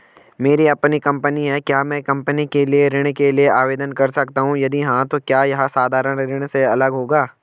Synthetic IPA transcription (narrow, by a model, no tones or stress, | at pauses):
meːɾiɐpnikɐ̃mpəniɦɛkjaːmɛ̃ːkɐ̃mpənikelieɾɪɽ̃kelieʔaːʋeːd̪ənkɐɾsɐkt̪aɦũjɐd̪iɦãt̪okjaːjɐɦãsaːd̪ʱaːɾəɽ̃ɾɪɽ̃seɐləɡɦoːɡaː